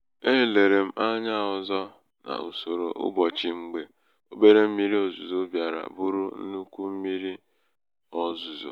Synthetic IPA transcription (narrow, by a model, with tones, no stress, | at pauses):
e˦˨le˨ɾe˨m̩˦ʔa˦ɲa˦ɔ˨zɔ˦ | na̰˨u˨so˨ɾo˨ʔʊ̰˦bɔ˨t͡ʃi˨ŋ͡m̩˦ɡ͡be˨ | o˦be˦ɾe˦m̩˦mi˦ɾi˦o˨zu˨zo˦bja˨ɾa̰˨bʊ˦ɾʊ˦n̩̰˦nu˦kʷu˦m̩˦mi˦ɾi˦ | ɔ˦zu˨zo̰˨